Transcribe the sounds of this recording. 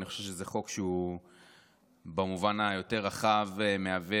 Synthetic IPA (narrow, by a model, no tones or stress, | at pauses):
niχoʃevʃ̬ezeχo̞kʃeu | bamuvanajo̞te̞ʁaχavmeave